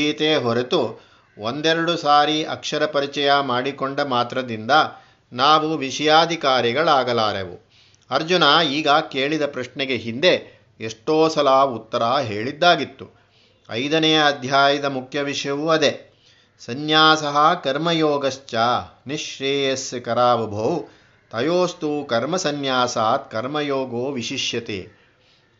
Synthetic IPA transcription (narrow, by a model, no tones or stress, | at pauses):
iːt̪eːɦɔɾet̪u | ond̪ɛɾɐɽusaːɾiɐ̰kʂɐɾɐpɐɾit͡ʃɐjɐmaːɽikoɳɖɐmaːt̪ɾɐd̪ind̪ɐ | naːʋuʋiʂɐjaːd̪ʱikaːɾiɡɐɭaːɡɐlaːɾḛʋṵ | ɐɾd͡ʒunaːiːɡɐke̞ːɭid̪ɐpɾɐʂɳɛɡe̞ɦind̪e̞ | eʂʈoːsɐlaːut̪ːɐɾaːɦeːɭid̪ːaːɡit̪ːu | ɐ̰jd̪ɐnɛjɐːd̪ʱjaːjid̪ɐmukʰjɐʋiʂjɐʋuɐd̪e | sɐnjaːsɐɦɐkɐɾmɐjoːɡɐʃt͡ʃaːniʂɾeːjɐskɐɾaːʋɐbʱow | t̪ɐjoːst̪ukɐɾmɐsɐnjaːsaːt̪kɐɾmɐjoːɡoːʋiʃiʃjɐt̪ḛː